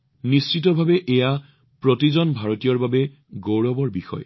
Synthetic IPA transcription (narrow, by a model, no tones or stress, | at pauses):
nisitɔbʱabɛʔeja | pɹotizɔnbʱaɹotijɔɹbabɛ | ɡowɹɔbɔɹbixɔ̰j